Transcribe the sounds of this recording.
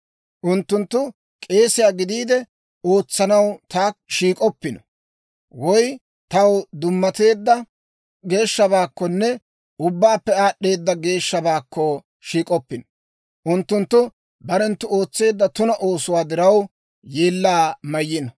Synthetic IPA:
ʔʊnt̪ːʊnt̪ːʊ | kʼe̞ːsɪjaːɡɪd̪iːd̪ɛ | o̞ːt͡sːɐnɐwt̪aːʃiːkʼɔpːɪnɔ̥ | wɔj | t̪ɐwd̪ʊmːɐt̪e̞ːd̪ːɐ | ɡe̞ːʃːɐβaːkːɔnːɛ | ʊbːaːpːɛaːɗːe̞ːd̪ːɐɡe̞ːʃːɐbaːkːɔ | ʃiːkʼɔpːɪnɔ | ʔʊnt̪ːʊnt̪ːʊ | bɐɾɛnt̪ːʊoːt͡sːe̞ːd̪ːɐt̪ʊnɐʔo̞ːsʊwaːd̪ɪɾɐw | jeːlːaːmɐjːɪnɐ

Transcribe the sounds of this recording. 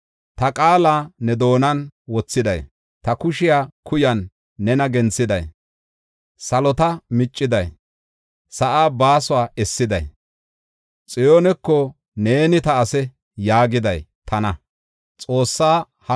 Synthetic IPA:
t̪ɐkʼaːlaːnɛd̪o̞ːnɐnwɔt͡sːɪd̪ɐ̰j | t̪ɐkʊʃɪjaːkʰʊjɐnː | ɛnɐɡɛnt͡sːɪd̪ɐ̰j | sɐlɔt̪ɐmɪt͡ʃʼːɪd̪ɐj | sɐʔaːbaːsʊaːɛsːɪd̪ɐj | t͡sʼɪjonɛkːɔ | ne̞ːnɪt̪ɐɐsɛ | jaːɡɪd̪ɐjt̪ʰɐnɐ | t͡sʼo̞ːsːaː | hɐ

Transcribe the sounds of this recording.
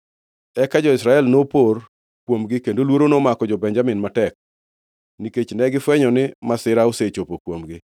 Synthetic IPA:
ɛkad͡ʒɔɪsɾaɛlnopor | kwomɡɪkendolwoɾonomakɔd͡ʒɔbɛɲd͡ʒamɪnmatɛk̚ | niket͡ʃnɛɡɪfwɛɲɔnɪmasɪɾaoset͡ʃopokwomɡɪ

